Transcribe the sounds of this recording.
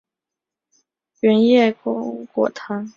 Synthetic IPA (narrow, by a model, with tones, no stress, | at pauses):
ɥɛ˧˥njɛ˥˩kkwɔ̰˨˩t̪ʰa˧˥n